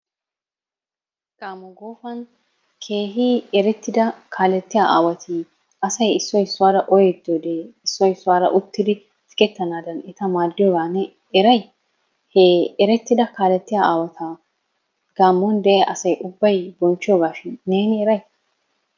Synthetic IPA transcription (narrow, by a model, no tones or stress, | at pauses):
ɡ̥aːmːɔɡo̞ːfɐn | kʰeːɦiːɛɾɛt̪ːɪd̪ɐkʰaːlɛt̪ːɪjaːʔaːwɐt̪ʰi | ɐsɐjɪsːɔjɪsːʊwaːɾɐʔɔjɛd̪od̪eːɪsːɔjɪsːʊwaːɾɐ̰ʔʊt̪ːɪd̪ɪ | fɪ̥kʼɛt̪ːɐnaːd̪ɐnɛt̪ɐmaːd̪ːɪjoːɡaːnɛ | ɛɾɐj | heɛɾɛt̪ːɪd̪ɐkaːlɛt̪ːɪjaːaːwɐt̪ʰaː | ɡ̥aːmːɔnd̪ɛʔɛʔɐsɐjʔʊbːɐjbɔnt͡ʃːɪjoːɡaːʃɪnːe̞ːnɪɛɾɐj